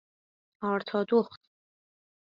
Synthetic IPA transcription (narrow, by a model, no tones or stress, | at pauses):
aɾt̪ʰɔd̪uχt̪ʰ